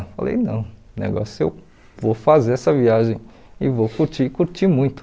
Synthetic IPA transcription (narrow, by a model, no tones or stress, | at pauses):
falḛjnɐ̰̃w̃ | nḛɡɔ̰sʊḛw | vowfazeɾɛsɐviaʒẽj̃ | ɪvowkuɾt͡ʃikuɾt͡ʃimũj̃t̪ʊ̥